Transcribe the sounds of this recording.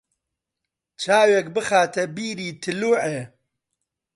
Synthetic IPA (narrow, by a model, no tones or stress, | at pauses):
t͡ʃʰaːwek̚bɨχaːt̪ʰɐbiːɾiːt̪ʰɨluːʕe